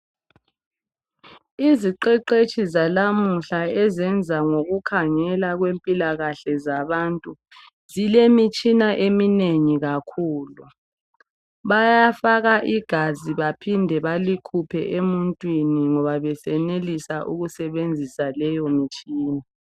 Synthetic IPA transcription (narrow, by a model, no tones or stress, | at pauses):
iziǃɛǃet͡ʃʰʼizalamuɬaɛzɛnd͡zʱaŋoɣukʰaŋɛlaɣwempʼilaɣaɬɛzaβantʼu | zilemit͡ʃʼinaʔemineŋiɣakʰuːlu | βajafaɣaʔiɡ̥ʱaziβapʰindʱɛβalikʰupʰɛ̰ʔemuntʼwiniŋɔβaβɛsɛnelisaʔṵɣusɛβend͡zʱisalɛjɔmit͡ʃʼiːna